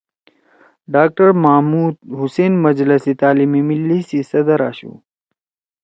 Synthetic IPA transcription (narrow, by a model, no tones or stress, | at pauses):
ɖaːk̚ʈɐɾmamuːd̪̚ɦʊseːnmɐd͡ʑlɐsit̪aːlimimilːisisɐd̪ɐɾaːɕṵː